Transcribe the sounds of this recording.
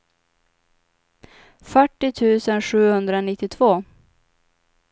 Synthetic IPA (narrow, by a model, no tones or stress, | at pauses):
fœʈːɪt̪ʰʉ̟ːsənɧʉ̟ːhɵnd̪ɾaɔnɪt̪ːɪt̪ʰvoː